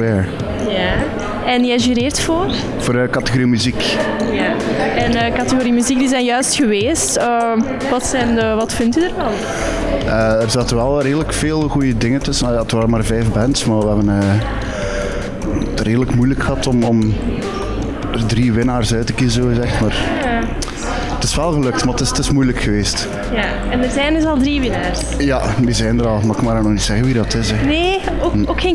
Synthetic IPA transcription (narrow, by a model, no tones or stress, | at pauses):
ɛɹ | ja | ɛnjɛjʒyːɾeːrtfoːr | v̥oːɾkɑtəɣoɾimyzikjaɛnəːkɑtəɣoɾimyziɡ̚dizɛjnjœɥstxəʋeːstəː | ʋɑtsɛjnəʋɑtfɪntydərvɑn | əːərzaːtəʋɛlˠreːdələkfeːlˠɣujədɪŋəntɵsənɔlˠjaətʋaːɾəmaːrvɛjfbɛntsmaːʋəɦɛbənəː | reːdələkmujləkxəɦɑtɔmɔm | ərdriʋɪnaːrsœɥtəkizəzoːzɛxtmaːrja | tɪsʋɛlˠɣəlɵk̚tmatɪstɪsmujləkxəʋeːst | ja | ɛnərzɛjnəzɑlˠdriʋɪnaːrs | jadizɛjndəɾɑlˠmaxɪkmaːɾnɔxnitsɛɣəwiːrdɑtɪzɛne | ookxe